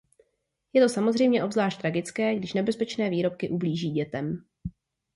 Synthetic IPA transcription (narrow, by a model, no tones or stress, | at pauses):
jɛt̪o̞samo̞zr̝ɛjmɲɛʔo̞bzlaːʃt̪t̪ɾaɡɪt͡skɛːɡdɪʃnɛbɛspɛt͡ʃnɛːviːɾo̞p̚kɪʔubliːʒiːɟɛt̪ɛm